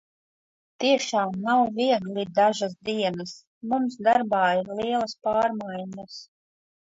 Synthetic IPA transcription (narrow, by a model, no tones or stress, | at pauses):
t̪iɛʃaːmnawviɛɡlʲid̪aʒas̬d̪iɛnɐs | mumsd̪aɾbaːiɾliɛlˠɐspaːɾmajnas